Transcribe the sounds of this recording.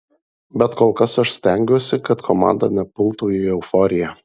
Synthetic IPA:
bʲɛt̪koːlˠkɐsɐʃsʲt̪ʲɛˑŋʲɡʲoːsʲɪkɐt̪kʰɔmɑ̰ːˑnd̪ɐ̰nʲɛpʊlˠˑt̪uːiɛʊfɔːɾʲɪjæ

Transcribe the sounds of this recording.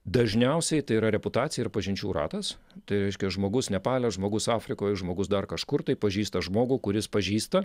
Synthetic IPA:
d̪ɐʒʲnʲɛʊsʲɛɪt̪ɐɪiːɾɐɾʲɛpʊt̪ɑːt̪t͡sʲɪjɛɪɾpɐʒʲɪnʲt͡ʃʲuːɾɑ̰ːt̪ɐst̪ɐɪɾʲɛɪʃʲkʲɛʒmoːɡʊsnʲɛpɑːlʲɛʒmoːɡʊsɑːfʲɾʲɪkoːjʒmoːɡʊsd̪ɐrkɐʃkʊrt̪ɐɪpɐʒʲiːst̪ɐʒmoːɡuːkʊɾʲɪspɐʒʲiːst̪ɐ

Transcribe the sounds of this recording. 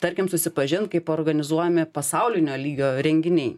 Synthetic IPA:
t̪ɐɾʲkʲɪmsʊsʲɪpɐʒʲɪnt̪̚kɐɪpoːɾɡɐnʲɪzuɔjɛmʲɪpɐsɐʊlʲɪnʲoːlʲiːɡʲoːɾʲɛŋʲɡʲɪnʲɛɪ

